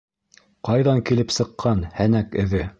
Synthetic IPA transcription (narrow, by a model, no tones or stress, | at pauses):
qɑjðɑŋkilɘpsɤ̆qʰːɑnhænækɘ̆ðɘ